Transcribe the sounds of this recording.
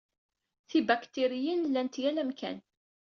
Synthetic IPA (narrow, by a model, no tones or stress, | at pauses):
θibækt̪iɾijənlːænt̪jælæmkæ̰n